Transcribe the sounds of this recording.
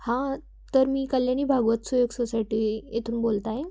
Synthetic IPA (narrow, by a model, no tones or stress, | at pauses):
hã | t̪əɾmiːkəljañiːbʱaɡʋət̪sujoɡsosajʈiːet̪ʰuːnbolt̪ae